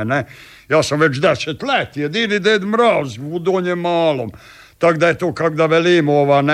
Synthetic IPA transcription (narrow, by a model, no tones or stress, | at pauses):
ne | jaːsamʋet͡ʃd̪ɛset̪lɛt̪jɛd̪iːɾid̪eːd̪mɾaːzud̪oːɲemaːlom | t̪aɡd̪ajet̪oːkakd̪aʋeliːmoʋaːn